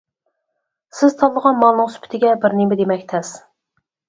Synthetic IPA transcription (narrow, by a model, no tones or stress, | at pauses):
sɪz̥t̪ʰɑlːˠəʁɑnmɑlˠnɨŋsy̥pʰɪ̥t̪ʰɪɡʲɛbɪɾnɪmɪd̪emɛkʲt̪ʰɛs